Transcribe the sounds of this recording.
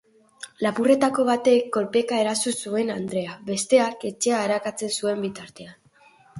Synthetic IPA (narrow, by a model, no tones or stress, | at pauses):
lapure̞t̪ako̞β̞at̪e̞kːo̞lpe̞kae̞ɾasusue̞nand̪ɾe̞aβe̞st̪e̞ake̞t͡ʃe̞aeɾakat͡se̞nsue̞mbit̪aɾt̪e̞an